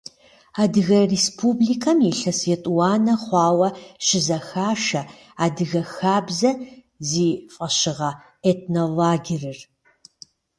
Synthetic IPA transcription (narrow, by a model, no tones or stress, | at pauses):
aːdɨɣɐrespʰuːblikʰɐmjiɬɐsetʼwaːnɐχʷɑːwɐʃɪzɐxaːʃɐ | aːdɨɣɐxaːbzɐ | ziːfʼɐɕɪʁɐ | etnolaːɡʲɪrɨr